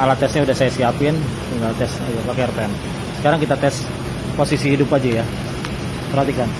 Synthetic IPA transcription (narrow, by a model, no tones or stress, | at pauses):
alat̪ɛsɲaudahsajasiapɪnt̪iŋɡalt̪ɛsɲajupakɛrp̪ɛn | sə̥kaɾaŋkit̪at̪ɛs | posisiidupad͡ʒɛja | pərat̪ikan